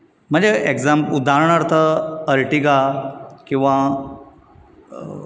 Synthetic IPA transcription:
m̤əɳd͡zeeɡzampud̪ʱaɾəɳəɾt̪ʰəəɾʈiɡakĩw̃ʋa

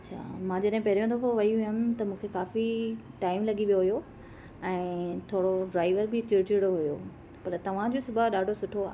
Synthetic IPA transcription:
ɐtːt͡ɕʰa̰ːmãːd͡ʑɐɗɦɪ̃pɐɦɾijõnd̪oɦoʋɐiɦjənɪ̆t̪ɐmũːkʰekaːfiʈaːɪmlɐɠiʋijoɦujo | ɛ̃ːt̪ʰoːɽoɖɾaːɪʋəɾbʱɪt͡ɕɪɾd͡ʑɪɽoɦʊjo̰ː | pɐɾt̪ɐʋ̤ãd͡ʑoːsʊbaɗaːɖʱosʊʈʰoa̰ː

